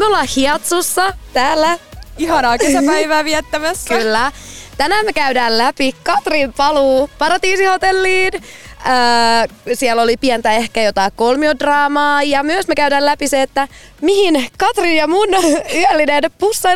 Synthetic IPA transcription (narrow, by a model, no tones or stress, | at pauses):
meolːɑhiɑt̪susːɑt̪æːlːæihɑnɑːkesɑpæjʋæːʋiɛt̪ːæmæsːkylːæt̪ænæːmekæydæːllæpikɑt̪rimpɑluːpɑɾɑt̪iːsiho̞t̪elːiːnøːsiɛlo̞lipiɛnt̪æehkæjot̪ɑikkolmiodrɑːmɑːjɑmyøsmekæydæːlæpiseːt̪ːæ | mihinkɑt̪rinjɑmunyælːinenpusːɑ